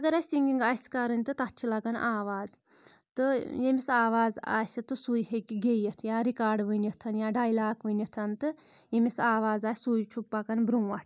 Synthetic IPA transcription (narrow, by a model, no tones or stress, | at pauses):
ɐɡɐɾɐsiŋɡʲiŋɡaːsʲkɐɾɨnʲt̪ɨt̪ɐt͡ʃʰilɐɡɐnʔaːʋaːz | t̪ɨjemisaːʋaːza̰ːsʲɨt̪ɨsuːjhekiɡejɐt̪ʰjaːɾikaːɾɖʋənɐt̪ʰɐnjaːɖaːjlaːkʋənɐt̪ʰɐnt̪ɨ | jemisaːʋaːzaːsʲsujt͡ʃʰupːakɐnbɾuːʋaʈʰʲ